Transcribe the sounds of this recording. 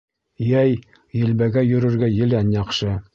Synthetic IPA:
jæj | jɘ̆lbæɡæjɵ̆ɾɘ̆ɾɡæjɘ̆lænjɑχʃɤ

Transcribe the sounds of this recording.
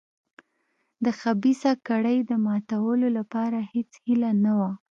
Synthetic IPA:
d̪əxabisakaɽəjd̪əmɑt̪awəlolapɑɾahet͡shilanawa

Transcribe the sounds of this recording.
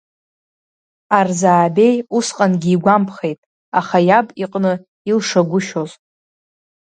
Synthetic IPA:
arzaːbe̞jusqʼanɡʲiːɡʷampʰχe̞jtʼ | aχajabʼiqʼnɨ | ilʂaɡʷʊʃoz

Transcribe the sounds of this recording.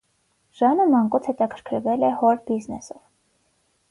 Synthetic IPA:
ʒ̥ɑnəmɑŋkut͡sʰhɛt̪ɑkʰəɾkʰəɾvɛlɛhɔɾbiznɛ̰sɔv

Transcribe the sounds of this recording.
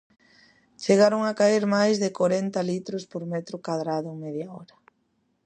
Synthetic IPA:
t͡ʃeɣaɾoŋakaiɾmajzðɪkoɾɛnt̪alit̪ɾospoɾmɛt̪ɾokaðɾaðʊmeðjaɔɾɐ

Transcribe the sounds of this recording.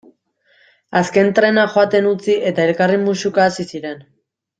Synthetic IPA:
aske̞nt̪ɾe̞naxoat̪e̞nut͡siʔe̞t̪ae̞lkarimusukaːsisiɾe̞n

